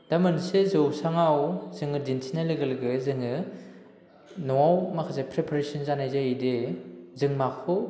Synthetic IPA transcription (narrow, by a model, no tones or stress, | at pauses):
d̥amɯnsezɯwsaŋawz̥ɯŋɯdintʰinaleɡɯlɡɯzɯŋɯ | nɔawmakʰazepʰɾepʰaɾesinzanajzaidezɯŋmakʰɔ